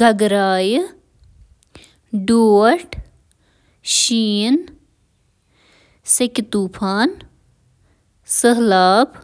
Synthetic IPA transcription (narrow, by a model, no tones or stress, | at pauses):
ɡʱɐɡɾaːj | ɖoːəɾʈ | ʃiːn | sekt̪uːpʰaːn | səɦlaːb